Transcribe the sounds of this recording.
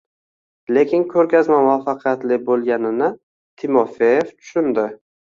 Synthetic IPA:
le̞kʲʰɪŋkʲʰɵɾkʲazmamʊafaqʰijat̪lɪbolˠɡʲanɪnɪ | t̪ʰɪmofejeft̪ʰʊ̥ʃʊnd̪ɪ

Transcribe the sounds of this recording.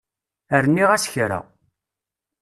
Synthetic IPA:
əɾənːiʁæsçɾa̰

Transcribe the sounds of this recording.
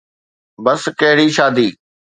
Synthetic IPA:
bɐskɐɦɪɽiːʃaːd̪iː

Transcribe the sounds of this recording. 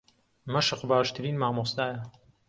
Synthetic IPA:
mɐʃɨqbaːʃt̪ʰɨɾiːnmaːmoːsd̪aːjɐ

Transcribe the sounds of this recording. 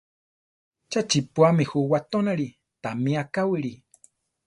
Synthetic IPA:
t͡ʃat͡ʃipuamihuwat̪onaɾi | t̪amĩakawiɾi

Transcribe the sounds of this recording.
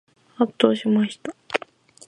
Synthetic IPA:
hat̪ːoːɕimaɕi̥t̪a

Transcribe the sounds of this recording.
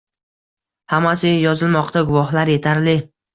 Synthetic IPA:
hamasɪjɒzɪlmɒqt̪aɡʊvɒhlaɾe̞t̪ʰaɾlɪ

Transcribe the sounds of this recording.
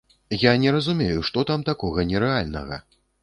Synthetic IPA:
janʲɛɾɐzumʲejuʂt̪ɔt̪amt̪akɔɣɐnʲɛɾɛalʲnɐ̰ɣɐ̰

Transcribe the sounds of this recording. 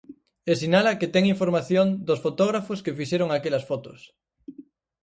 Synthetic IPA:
esinalɐkɪt̪ɛŋiɱfoɾmaθjond̪ʊsfot̪oɣɾafʊskefiʃeɾʊŋakelɐsfɔt̪ʊ̰s

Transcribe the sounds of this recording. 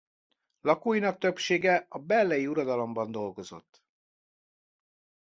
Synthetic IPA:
lɒkujinɒk̚t̪øpʃeːɡɛɒbɛlːɛjiuɾɒd̪ɒlo̞mbɒn̪d̪o̞lɡo̞zo̞̰t̪ː

